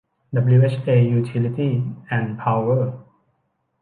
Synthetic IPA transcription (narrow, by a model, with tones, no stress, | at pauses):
dablie˥t͡ʃe˧juːt̪ʰi˧lit̪i˥ʔɛ̃˨npʰa˧wə˥˩